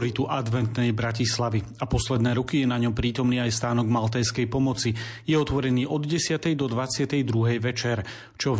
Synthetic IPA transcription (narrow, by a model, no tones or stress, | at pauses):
ɾit̪uʔad̪ʋɛnt̪nɛjbɾacislaʋi | apɔslɛd̪nɛːɾɔkijɛnaɲɔmpɾiːt̪ɔmniːajst̪aːnɔɡmalt̪ɛːskɛjpɔmɔt͡sijɛɔt̪ʋɔɾɛniːʔɔd̪ɟɛsɪat̪ɛjd̪ɔd̪ʋat͡sɪat̪ɛjd̪ɾuɦɛjʋɛt͡ʃɛɾ | t͡ʃɔ